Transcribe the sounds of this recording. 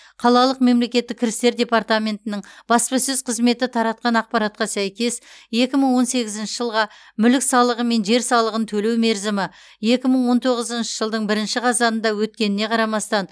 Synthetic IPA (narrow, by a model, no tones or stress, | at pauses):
qʰɑlˠɑlˠəqme̞mle̞kʲe̞t̪ːɪkʲʰːɪɾɪst̪e̞ɾd̪ʲe̞part̪amʲe̞nt̪ɪnɪɴb̥ɑspɑsɵzqʰəzme̞t̪ɪt̪ʰɑɾɑt̪̚qɑnɑq̚pɑɾɑt̪̚qɑsæjkʲe̞sje̞kʲɪməɴwo̞nse̞ɡʲɪzɪnʃɪʒəlˠʁɑ | mʏlɪksɑlˠəʁəme̞nʒe̞ɾsɑlˠəʁənt̪ʰɵle̞wme̞ɾzɪmɪ | je̞kʲɪməɴwo̞nt̪ʰo̞ʁəzənʃə̥ʒ̥əlˠd̪əɴbɪɾɪnʃɪqʰɑzɑnənd̪ɑwɵt̪̚kʲe̞nɪne̞qʰɑɾɑmɑst̪ɑn